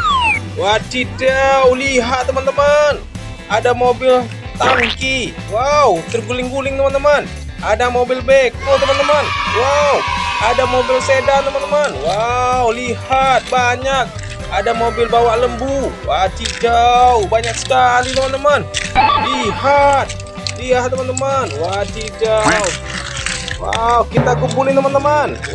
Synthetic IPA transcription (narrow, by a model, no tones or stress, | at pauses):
wat͡ʃidawliɦat̪̚t̪əmant̪əman | adamobɪl | t̪aŋki | wawt̪ərɡulɪŋɡulɪŋt̪əmant̪əman | adamobɪlbekot̪əmant̪əmanwawadamobɪlsedant̪əmant̪əmanwawlihat̪̚baɲak̚ | adamobɪlbawaʔləmbuwat̪id͡ʒawbaɲak̚sə̥kanit̪əmant̪əmanliɦat̪̚ | liat̪ːəmant̪əmanwat̪id͡ʒaw | wa̰wkit̪akəmbulɪnt̪əmant̪əman